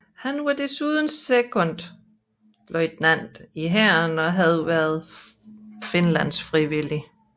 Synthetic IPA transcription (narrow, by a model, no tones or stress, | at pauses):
hænʋɑd̥e̝suːð̞ˠən̩sekʰɔ̽n̰d̥ | lɒɪd̥næn̰d̥iɦæɐnɒ̽ɦæð̞ˠʋæɐð̞ˠ | fe̝nlæn̰sfʁiʋili